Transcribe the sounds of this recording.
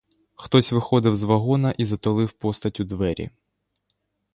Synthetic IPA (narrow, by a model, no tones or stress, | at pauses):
xt̪ɔsʲʋɪxɔd̪ɪwzʋɐɦɔnɐʔizɐt̪ɔlˠɪwpɔst̪ɐtʲʊd̪ʋɛɾʲḭ